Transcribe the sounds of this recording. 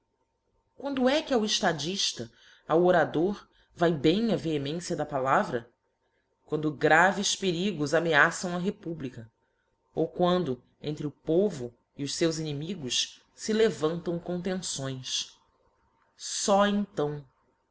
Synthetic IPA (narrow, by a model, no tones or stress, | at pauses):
kwɐ̃nd̪ʊɛkawɪʃt̪ad͡ʒiʃt̪ɐ | awoɾad̪oɾ | vajbẽj̃ɐveemẽsjɐd̪ɐpalavɾɐ | kwɐ̃nd̪ʊɡɾavɪspeɾiɡʊzameasɐ̃w̃ɐɦepublikɐ | owkwɐ̃nd̪ʊ | ẽnt̪ɾɪʊpovʊ | iʊʃsewzinimiɡʊʃ | sɪlevɐ̃nt̪ɐ̃w̃kõnt̪ẽsõj̃s | sɔẽnt̪ɐ̃w̃